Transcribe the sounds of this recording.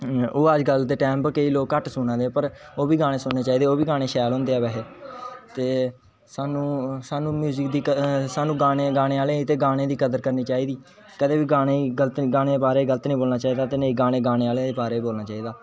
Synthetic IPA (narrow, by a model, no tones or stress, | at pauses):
oːəd͡ʒɡəld̪eːʈɛːmpkeiːloːkːəʈsʊnãːd̪eːpəɾoːbiːɡaːɽ̃ẽːsʊnneːt͡ʃaːiːd̪eːoːbiːɡaːɽ̃eːʃɛːlɦʊ̃ːnd̪eːaːʋɛɦeːt̪eː | saːnũːsaːnũːmjuːzəkd̪iːksaːnũːɡaːɽeːɡaːɽ̃eːaːleːt̪eːɡaːɽ̃ẽːd̪iːkəd̪əɾkəɾniːt͡ʃaːiːd̪iː | kəd̪eːbiːɡaːɽ̃eːɡələt̪ːɡaːɽ̃eːd̪eːpaːɾeːɡələt̪nəĩːboːlnaːt͡ʃaːiːd̪aːt̪eːnəĩːɡaːɽ̃eːɡaːɽ̃eːaːleːd̪eːbaːɾeːboːlnaːt͡ʃaːiːd̪aː